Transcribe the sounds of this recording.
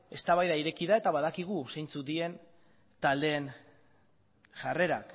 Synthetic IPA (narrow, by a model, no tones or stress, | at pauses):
e̞st̪aβajðaiɾe̞kiðae̞t̪aβaðakiɣ̞usejnt͡sut̪ie̞n | t̪ald̪e̞ːn | ʝare̞ɾak